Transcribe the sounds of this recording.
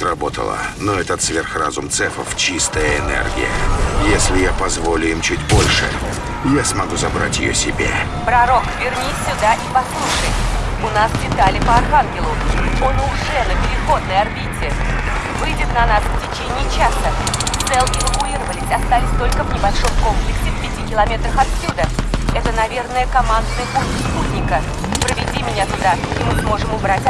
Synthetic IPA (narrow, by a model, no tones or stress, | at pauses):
ɾɐbo̞t̪ə̰lˠə̰noɛt̪ət̪svʲerxra̰zʊmt̪sɛfəft͡ɕist̪əjəɪnɛ̰rɡʲɪ̰jə̰jesʲlʲɪjapɐzvo̞lʲʊimt͡ɕutʲbo̞lʲʂɨ̰ | jasmɐɡuzɐbɾa̰tʲjɪ̰jo̰sʲɪbʲḛ | pɾɐɾo̞kvʲɪrnʲisʲːʊd̪aʔipɐslˠuʂəj | ʊnasdʲɪt̪alʲɪpəɐrxanɡʲɪlˠʊo̞nʊʐɛnəpʲɪɾʲɪxo̞d̪nəjɐrbʲitʲɪvɨjdʲɪt̪nɐnasftʲɪt͡ɕenʲɪːt͡ɕasət̪sɛlˠɪvəkʊiɾəvəlʲɪsʲɐst̪alʲɪsʲt̪o̞lʲkəvnʲɪbɐlʲʂo̞mko̞mplʲɪksʲɪfpʲɪtʲikʲɪlˠɐmʲe̞t̪ɾəxɐt̪sʲːud̪əɛt̪ənɐvʲe̞rnəjəkɐmand̪nəjəʔuxsput̪ʲnʲɪkə | pɾəvʲɪdʲimʲɪnʲat̪ʊd̪aimɨsmo̞ʐɨmʊbɾatʲ